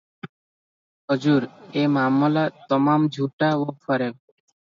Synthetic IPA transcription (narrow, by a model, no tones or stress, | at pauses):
ɦɔd͡ʑuɾemamɔlat̪ɔmamd͡ʑʱuʈaoɔɾe